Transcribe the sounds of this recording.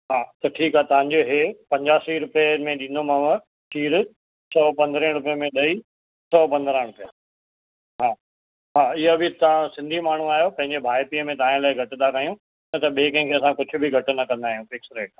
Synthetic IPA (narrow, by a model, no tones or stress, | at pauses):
ɦaːt̪ɐʈʰiːkaːɦet̪ɐʋ̤ãɲd͡ʑoɦepɐ̃ɲd͡ʑaːsiɾʊpijemẽɗĩːnd̪omɐʋə̃ | ʃiːɾʊ | sɔpɐ̃nd̪ɾə̃ːɾʊp̬ijəmẽɗɐi | sɔːpɐ̃nd̪ɾə̃ːɽʊpja | ɦaː | ɦaːɪɦobʱɪt̪sɪ̃nd̪ʱimaːɳ̤uaːjopɐ̃ɦɪ̃ɲd͡ʑebʱaːjpiːəmẽt̪ɐãlaːɪɡʱɐʈɪ̃nd̪akaːijũ | ɪnɐt̪ɐɓeːkɐ̃ɪ̃kʰeːɐsãkʊd͡ʑʱʊ̆bʱɪɡʱɐʈnɐkɐ̃nd̪aːɦijũfɪksɾeːʈ̚a